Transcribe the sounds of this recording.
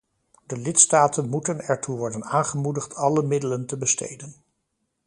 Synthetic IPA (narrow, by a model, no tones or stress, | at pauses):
dəlɪtstaːtənmutənɛɹtuʋɔɹdənaːnχəmudəχtʰɑləmɪdələntəbəstḛjdən